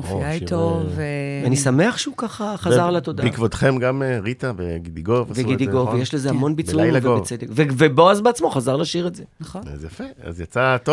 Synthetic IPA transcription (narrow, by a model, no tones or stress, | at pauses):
fiait̪oveveanisame̞aχʃeukaχaχazaʁlat̪o̞daikvot̪χemɡameʁit̪aveɡid̪iɡovasveɡid̪iɡovjeʃlezehamo̞nbit͡suimveevt͡sed̪ekveveboazbeat͡smo̞χazaʁlaʃiʁedzenoa̰zjafea̰zjat͡sat̪o